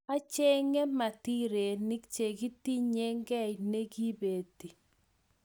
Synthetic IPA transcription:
a˦t͡ʃe˦ŋe˦ma˨ti˦ɾe˨ni˦kt͡ʃe˨ɡi˦ti˦ɲe˦ŋɡɛ˦˨jne˦ɡi˦be˨ti˨

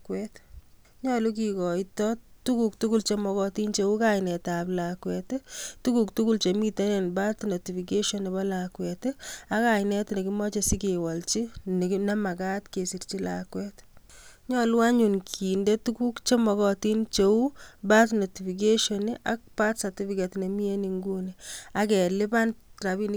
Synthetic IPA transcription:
kwɛt | ɲɔlu˦ki˨kɔ˨itɔtu˦kuk̚tuku˦lt͡ʃe˦mɔ˧kɔ˧ti˦nt͡ʃe˦u˦kajnɛ˨taplakwɛttu˦kuk̚tu˦ku˦lt͡ʃemi˦te˦ne˨nba˦tno˨ti˨fi˨k̬e˦ʃɔ˦ni˨bɔ˦lakwɛta˦ka˨jnɛ˦tne˨ki˦mɔ˦t͡ʃe˨si˦kewɔ˨lt͡ʃi˦n˨na˦ma˨ka˦tke˨si˨ɾt͡ʃi˦lakwɛtɲɔlwa˦ɲu˨nkʰi˨nde˦tu˦ku˦kt͡ʃe˦mɔ˨kɔti˦nt͡ʃeu˦ba˦tno˨ti˨fik̬e˦ʃɔniʔa˦k̚pa˦tsa˨ti˦fi˨ketne˨mi˦e˦niŋɡu˦nia˨kɛ˨lɪ˦ba˦ntɾa˨bi˦n˦

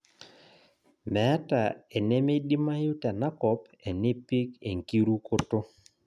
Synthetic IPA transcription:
mɛ˨a˦ta˨e˨nɛ˦me˦ɗi˦ma˦ju˦ta˨na˦kɔ˨˦p | e˨ne˦pi˦ke˨ŋki˦ɾu˦ko˦to˦

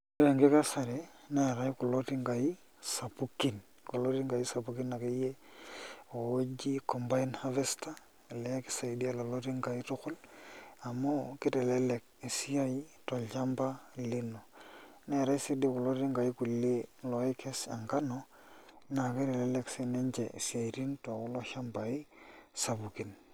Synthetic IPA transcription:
ɾe˨ŋɡe˦ka˦sa˨ɾe˨na˦˨ɾa˦i˦ku˨lo˦ti˦ŋɡa˨ji˦ | sa˨pu˦ki˦n | ku˨lo˦ti˦ŋɡa˨i˦sa˨pu˨˦ki˦nːa˨ka˦je˦ | o˨wo˦d͡ʒi˦kɔ˨mba˦inha˦ve˦sta˦˨ | lɛ˦ki̥˦sa˨jdi˦a˦˨lo˨lo˦ti˦ŋɡa˨i˦tʊ˦kʊ˦la˨mo˦kɪ˦tɛ˨lɛ˦lɛ˨k̚i˨si˦a˦ji˦to˨lʃa˦mba˦˨li˦no˨ | ne˨ɾa˦i˦si˦di˦ko˨lo˦ɾi˦ŋɡa˨i˦ku˨lːi˦lo˨i˦ke˦sa̰˨ŋka˦nɔ˦ | na˨ki˦ɾe˨lɛ˦le˨kse˦ne˦ɲd͡ʒḛ˨si˨a˨i˨ɾi˦nto˨u˦lo˦ʃa˦mba˨i˦sa˨bu˨ki˨n

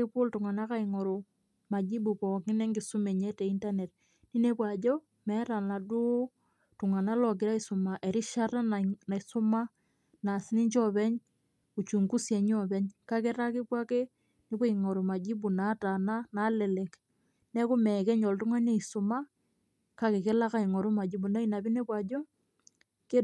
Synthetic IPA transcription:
ɪ˦pʊ˦ltʊ˨ŋa˨na˦ka˦˨i˨ŋɔ˨ɾo˨ | ma˨d͡ʒi˦bu˨pɔ˨kɪ˦nɛ˦ŋɡɪ˨su˦me˨ɲɛ˦tɛ˨i˦nta˦ne˨t | ni˦ne˦pwa˨d͡ʒɔ˦ | mɛ˨˦ta˨na˨dʊ˦ | tʊ˨ŋa˨na˦lɔ˨k̬ɪ˨ɾa˦i˦sʊ˨ma˨ʔe˨ɾi˦ʃa˦ta˦nna˨i˨sʊ˦ma˦ | na˨sɪ˦ni˦ɲt͡ʃɔ˦˨βɛ˦ɲ | u˨t͡ʃu˨ŋku˦sje˨ɲɔ˦bɛ˦ɲka˦ke˦ɾa˦ki˦pwa˦ke˦ | ni˦pe˦i˨ŋɔ˨ɾu˨ma˨d͡ʒi˦bu˨na˨˦ta˨na˦na˨˦lɛ˨lɛ˨k | nɛ˦ku˦mɛ˨kɛ˦ɲɔ˨ltu˦ŋa˦ne˦˨i˨su˨ma˦ | ka˨ke˨ke˦la˦ka˦i˨ŋɔ˨ɾu˦ma˨d͡ʒi˦bu˨na˦i˨na˨bi˦ne˦pwa˨d͡ʒɔ˦ | ke˦

